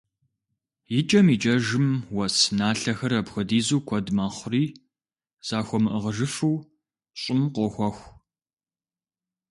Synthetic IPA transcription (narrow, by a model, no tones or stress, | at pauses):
jɪt͡ʃʼɐmiːt͡ʃʼɐʒɨmwɐsnaːɬɐxɐɾɐbxʷɔdiːzuːkʷʰɔdmɐχʷʊriː | z̥aːxʷɔmɨʔəʁəʒɨfɨw | ɕʼɪmqʷɔxʷɔxʷ